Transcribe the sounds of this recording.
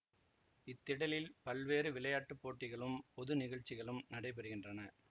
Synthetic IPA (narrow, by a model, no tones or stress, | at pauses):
ɪt̪ːɪɽɐlɪlpɐlʋeːɾɯʋɪɭɐjaːʈːɯpːoːʈːɪɣɐɭɯmpɔðɯnɪɣɐɻt͡ʃːɪɣɐɭɯmnɐɽɐɪp̬ɛɾɯɣɪndrɐnɐ